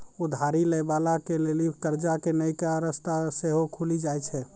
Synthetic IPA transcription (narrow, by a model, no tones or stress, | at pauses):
ud̪ʱaɾiləjbalakelelikəɾd͡ʒakenəjkaɾəst̪aseɦokʰulid͡ʒajt͡ʃʰɛ